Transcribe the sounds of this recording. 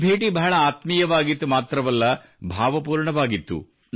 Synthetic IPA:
bʱeːʈibʱɐɐɭɐaːt̪mijɐʋaːɡit̪ːumaːt̪ɾɐʋɐlːɐ | bʱaːʋɐpuːɾɳɐʋaːɡit̪ːṵ

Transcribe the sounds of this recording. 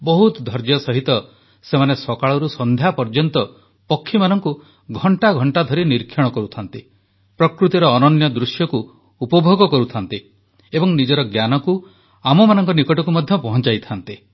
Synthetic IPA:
bɔɦut̪d̪ʱɔɾd͡ʒjɔsɔɦit̪ɔ | semanesɔkaɭɔɾusɔnd̪ʱjapɔɾd͡ʒɔnt̪ɔ | pɔkʰːimanɔŋku | ɡʱɔɳʈaɡʱɔɳʈad̪ʱɔɾiniɾkʰjɔɽ̃ɔkɔɾut̪ʰant̪i | pɾɔkɾut̪iɾɔːnɔnjɔd̪ɾusjɔkuː | pɔbʱoɡɔkɔɾut̪ʰant̪i | ebɔŋnid͡ʒɔɾɔɡjanɔku | amɔmanɔŋkɔnikɔʈɔkumɔd̪ʱjɔpɔɦɔ̃nt͡ʃajt̪ʰant̪i

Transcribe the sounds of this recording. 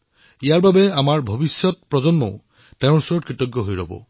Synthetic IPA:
ijaɹbabɛamaɹbʱobisjɔt̚pɹɔzɔnmɔ̰ | teʊ̃ɹsɔɹɔtkɹitɔɡjɔɦojɹɔ̰bɔ̰

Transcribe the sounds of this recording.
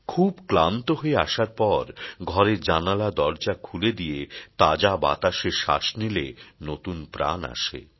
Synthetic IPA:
kʰubklant̪oɦoea̰ʃaɾpɔɾɡʱɔɾed͡ʑanalad̪ɔɾd͡ʑakʰuled̪ijet̪ad͡ʑaba̰t̪aʃeʃa̰ʃnilenot̪unpɾa̰na̰ʃḛ

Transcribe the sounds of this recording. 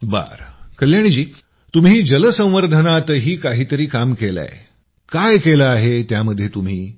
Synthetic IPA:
ba̰ɾkəljaɽ̃id͡ʑiː | t̪umɦiːd͡ʑələsə̃w̃ʋəɾd̪ʱənat̪əɦiːkaɦiːt̪əɾiːkamkela̰j | kajkelaaɦet̪jaməd̪ʱːjet̪um̤iː

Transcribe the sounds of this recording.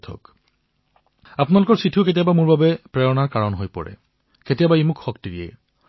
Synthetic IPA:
tʰɔ̰k | apʊnalʊkɔɹsɹitʰuket̬ijabamʊɹbabɛpɹɛɹɔnaɹkaɹɔnɦojpɔ̰ɹɛ̰ | ketijabaemʊkxɔk̚tiɹiḛ

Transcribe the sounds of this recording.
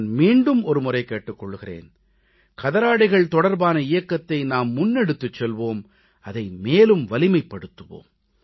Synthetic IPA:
nmiːɳɖɯmɔɾɯmʊrɐɪkeːʈːɯkːɔɭːɯɣɪrḛːn | kɐðɐɾaːɽɪɣɐɭt̪ɔɽɐɾbaːnɐɪjɐkːɐt̪ːɐɪnaːmːʊnːɛɽɯt̪ːɯt͡ʃːɛlʋoːm | ɐðɐɪmeːlɯmʋɐlɪmɐɪpːɐɽɯt̪ːɯʋo̰ːm

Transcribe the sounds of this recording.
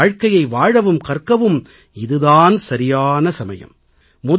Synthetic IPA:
ɻkɐjɐɪʋaːɻɐʋɯmkɐrkɐʋɯm | ɪðɯðaːnsɐɾɪjaːnɐsɐmɐ̰jɐ̰mː | ʊð

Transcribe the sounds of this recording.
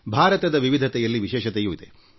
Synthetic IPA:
bʱaːɾɐt̪ɐd̪ɐʋiʋid̪ʱɐt̪ɛjɐlːiʋiʃɛːʃɐt̪ɛjuid̪e

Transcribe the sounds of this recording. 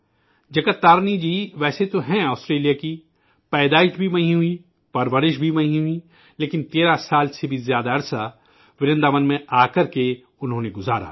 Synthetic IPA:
d͡ʒɐkət̪ːaːɾnid͡ʒiːʋɛːset̪oɦɛ̃aːsʈɾeːlijaki | pɛːd̪aːɪʃbʱimɐɦĩɦʊi | pɐɾʋəɾɪʃbʱimɐɦĩɦʊi | leːkɪnt̪eːɾasaːlsebʱizjaːd̪aɐɾsa | ʋɪɾə̃nd̪amɐnmẽaːkɐɾke | ʊnɦõːneɡʊza̰ːɾa̰ː

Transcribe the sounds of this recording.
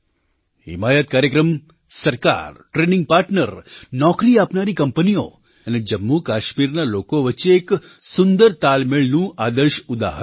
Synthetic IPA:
hɦɪ̰majət̪̚kaɾjəkɾəm | səɾka̰ɾʈɾenɪ̃ŋɡ̚paɾʈnəɾnɔkɾiapnaɾikəmpənio̰ | əned͡ʒəmːukaʃmiɾnalokoʋətːt͡ʃeːk | sʊnd̪əɾt̪almeɭnũʔad̪əɾʃʊd̪a̰ɦə

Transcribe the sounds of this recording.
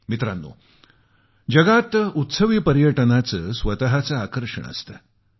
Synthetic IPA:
mit̪ɾanːo̰ | d͡ʑɐɡat̪ut̪səʋiːpəɾjəʈənat͡səːsʋət̪əɦat͡saakəɾʂə̰ɳ̃ə̰st̪ə̰

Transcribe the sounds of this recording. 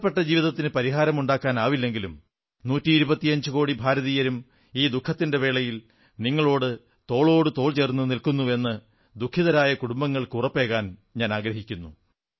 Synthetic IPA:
ɐpːe̞ʈːɐd͡ʑiːʋiðɐt̪ːinɨpɐɾiɦaːɾɐmuɳɖaːkːaːnaːʋilːe̞ŋɡilum | nuːtːiːɾubɐt̪ːijɐɲd͡ʑɨko̞ːɽibʱaːɾɐðiːjɐɾum | iːd̪ukʰːɐt̪ːinde̞ʋe̞ːɭɐjil | niŋːɐɭo̞ːɽɨ | t̪o̞ːɭo̞ːɽɨt̪o̞ːɭt͡ɕe̞ːrnːunilkunːue̞nːɨ | d̪ukʰːiðɐɾaːjɐkuɽumbɐŋːɐɭkurɐpːe̞ːɣaːnɲaːnaːɡɾɐɦikʲːunːu

